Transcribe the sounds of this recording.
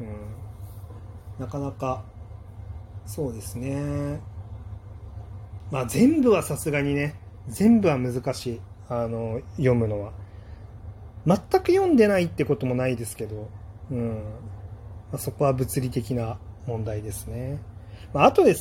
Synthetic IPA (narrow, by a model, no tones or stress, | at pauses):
ɯ̟̃ | nakanaka | so̞ːd̪e̞sɨne̞ | maːzẽ̞mbɯ̟βasasɨɡaɲ̟ine̞ | zẽ̞mbɯ̟βamɯ̟zɨkaɕiː | ano̞jõ̞mɯ̟no̞βa | mat̪ːakɯ̟jõ̞nd̪e̞nait̪ːe̞ko̞t̪o̞mo̞naid̪e̞sɨ̥ke̞d̪o̞ɯ̟̃ɴ | maso̞ko̞βabɯ̟t͡sɨɾʲit̪e̞kʲinamõ̞nd̪aid̪e̞sɨne̞maːt̪o̞d̪e̞s